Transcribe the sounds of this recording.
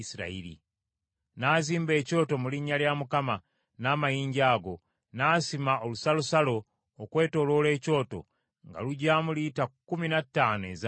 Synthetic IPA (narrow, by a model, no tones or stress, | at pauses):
siɾa̰ḭɾḭ | naːziːmbe̞ːco̞ːto̞muliɲːaljamukama | naːmajiːɲɟaːɡo̞ | naːsimaʔo̞lusalusalo̞ː | kwe̞ːto̞lo̞le̞ːco̞ːto̞̰ | ŋɡa̰luɟaːmulitakːuminatːaːne̞̰z